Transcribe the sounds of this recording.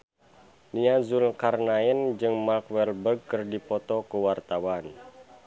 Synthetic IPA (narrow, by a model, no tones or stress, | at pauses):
niazulkarnaɛnd͡ʒɨŋmarkwɛlbərɡ̚kɨrdipɔt̪ɔkuwart̪awan